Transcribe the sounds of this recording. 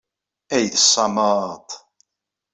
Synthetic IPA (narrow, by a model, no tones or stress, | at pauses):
æjθəsˤːɑmɑt̪ˤ